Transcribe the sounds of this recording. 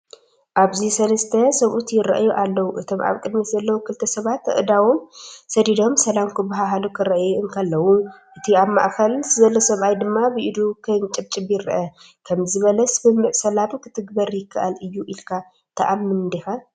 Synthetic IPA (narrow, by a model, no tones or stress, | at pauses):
ʔaβzisɐlɐst̪ʰɐsɐβʔut̪jɪɾɐ̰ʔjuʔalːɐwuʔɨt̪ʰo̞mʔa̰βkʼɨd̪mit̪zɐlːɐwukʰɨlt̪ʰɐsɐβat̪ɨ̰ʔɨd̪awomsɐd̪id̪o̞msɐlamkʰɨbaɦaɦalukʰɨɾɐʔjuɨŋkʰɐlːɐwuʔɨt̪ʰiaβma̰ʔkʰɐlzɨzɐlːosɐβʔajd̪ɨmːabɨʔid̪ukʰɨnt͡ʃʼɨb̚t͡ʃʼɨbjɪɾːɐʔɐ | kʰɐmzɨβɐlɐsbɨmːɨʕsɐlabkʰɨ̥t̪ʰɨɡbɐɾjɪkʰːaʔalɨjːuʔilkʰa | t̪ʰɐʔamːɨnd̪ixa